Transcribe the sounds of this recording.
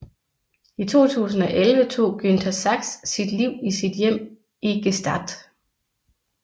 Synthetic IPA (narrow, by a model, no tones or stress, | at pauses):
it͡sʰo̝̰ːt͡sʰṵːsn̩ɒ̽ʔelʋət͡sʰo̝̰ːɡ̥ynd̥ʰæsɑɡ̥sːid̥liʊ̰isid̥jem̰ | iɡ̥esd̥ɑd̥